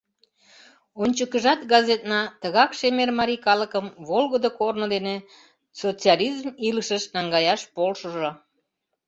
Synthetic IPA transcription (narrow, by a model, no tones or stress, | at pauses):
onʲt͡ɕəkəʒɑt̪ɡɑzet̪nɑt̪əɣɑkʃemermɑɾʲikɑləkəmβolɣəd̪okornod̪ene | sot͡siɑlʲizmiləʃəʃnɑŋɡɑjɑʃpolʃəʒo